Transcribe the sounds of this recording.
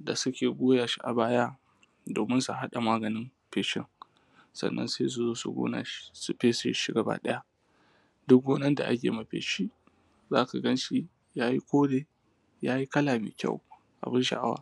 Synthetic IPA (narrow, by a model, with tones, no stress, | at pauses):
da˨sʊ˦kʲeː˨ɡʷoː˦jaː˨ʃi˦ʔa̰˨baː˦ja˦ | doː˨mɪ˦nsu˦˨ɦa˦ɗa˨maː˦ɡɐ˨nɪ˦mpeː˨ʃɪ̰˦ŋ | sɐ̰˨nːɐ̰˦nseː˦s̬u˦zoː˦su˨˦ɡo̰ː˦na̰ː˨ʃi̥˦su˦ɸeː˦su˦ʃi˦ɡa˨ba̰ː˦ɗɐ˦ja˦ | dʊ˦k̚ɡoː˦nɐ˦nda̰˨ʔa̰˦k̬ʲḛː˨ma˨ɸḛː˨ʃi˦ | zaː˦ka˨ɡɐ˦nʃi˦ | jaː˦ji˦kʷoː˦deː˨ | jaː˦ji˦kɐ˦laː˨mḭ˨kʲa̰˦˨w | ʔa̰˨bɪ˦nʃa̰˦ʔa̰˦wa̰ː˦